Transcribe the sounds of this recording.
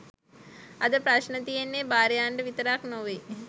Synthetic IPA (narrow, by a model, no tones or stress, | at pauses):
ɐd̪ɐpɾɐʃnɐt̪ijenːeːbaːɾjaːɳɖɐʋit̪ɐɾaːknoʋe